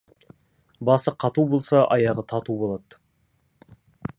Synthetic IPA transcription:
bɑsəqʰɑt̪ubo̞lˠsɑʔɑjɑʁət̪ʰɑt̪ubo̞lˠɑd̪̥

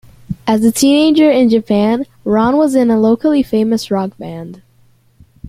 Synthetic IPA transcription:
ʔɨzɨtʰĩneɪd͡ʒə˞ɪ̃nd͡ʒɨpʰæ̃n | ɹɑ̃nwʌzɨ̃nəloʊkl̩ˠifẽɪ̃mɨsɹɑk̚b̥æ̃nd̥

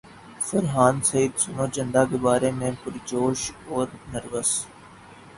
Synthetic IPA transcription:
fəɾɦaːnsɐiːd̪sʊnoːd͡ʒə̃nd̪aːkebaːɾemẽːpʊɾd͡ʒoːʃɔːɾnəɾʋəs

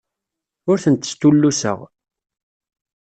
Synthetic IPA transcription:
ʊɾθənt̪ːə̥st̪ːulːusə̰ʁ

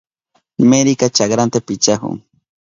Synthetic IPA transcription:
meɾikat͡ʃakɾant̪apit͡ʃahʊ̰ŋ

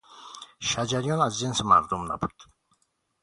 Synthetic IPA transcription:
ʃad͡ʒaɾjɔnazzensma̰ɾd̪umd̪a̰but̪

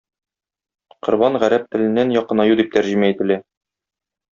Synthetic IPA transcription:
qŏɾbɑnʁæɾæp̚t̪ɘ̆lɘ̆nːænjɒqɤ̆nɑjud̪ip̚t̪æɾʑimæit̪ɘ̆læ

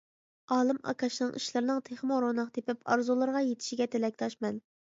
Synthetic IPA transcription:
ɑːlˠɨmɑ̰kʰɑʃnɨŋʔḭʃlˠɨɾnɨŋt̪ʰeχmoɾonɨqt̪ʰepɪpɑ̰ɾzulˠɨɾʁɑjet̪ʰɪ̥ʃiɡʲɛt̪ʰɪlɛkʲt̪ʰɑʃmɛn

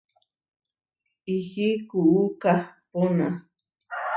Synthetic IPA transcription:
ixikuʔukapona

